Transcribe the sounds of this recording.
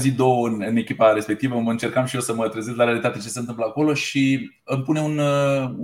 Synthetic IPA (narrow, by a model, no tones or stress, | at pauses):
zid̪o̞wəɨnɨne̞kʲipaɾe̞spe̞k̚t̪ivəməɨnt͡ʃe̞rkamʃijo̞səmət̪ɾezest̪laɾealit̪at̪e̞t͡ʃese̞nt̪ɨmpləako̞lo̞ʃi | ɨmpune̞un